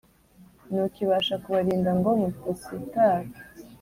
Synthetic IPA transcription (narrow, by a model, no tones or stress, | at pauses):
nukiβaːʃakuβaɾiːndaŋɡomutisitaːɾ